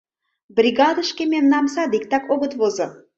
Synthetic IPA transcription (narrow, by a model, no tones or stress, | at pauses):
brʲiɡɑd̪əʃkʲemʲennɑmsɑd̪ik̚t̪ɑkoɡə̆t̪vozɤ̆